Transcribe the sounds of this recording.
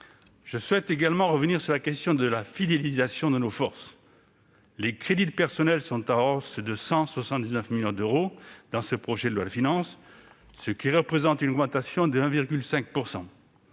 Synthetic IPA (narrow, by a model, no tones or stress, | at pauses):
ʒ̥əswɛt̪eɡalmɑ̃ʁəvəniʁsyʁlakɛst̪jɔ̃d̪əlafid̪elizasjɔ̃d̪ənofɔʁs | lekχed̪id̪pɛʁsɔnɛlsɔ̃t̪aɔsd̪əsɑ̃swasɑ̃t̪̚d̪iznəfmiljɔ̃d̪øʁod̪ɑ̃səpχɔʒed̪əlwad̪əfinɑ̃s | səkʲiʁəpχezɑ̃t̪ynɔɡmɑ̃t̪asjɔ̃d̪əɛ̃viʁɡʲylsɛ̃k̚puʁsɑ̰̃